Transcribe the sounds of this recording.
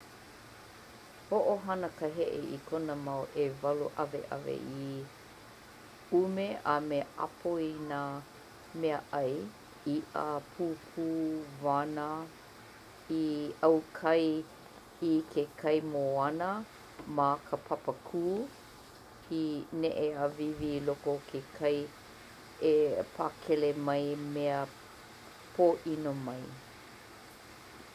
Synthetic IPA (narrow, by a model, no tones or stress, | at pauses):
hoʔoɦɐnəkəɦeʔḛʔikʰonəmawʔevɐlṵʔɐvḛʔɐ̰vḛʔi | umeʔameʔa̰pʰoina | meəʔɐj | iʔapʰuːpʰuːvanə | iɐwkʰɐj | ikʰekʰɐjmoɐnə | makʰəpʰɐpəkʰuː | inɛʔeavivilokokʰekʰɐj | epʰakʰɛlemɐjmeə | pʰoːʔinomɐj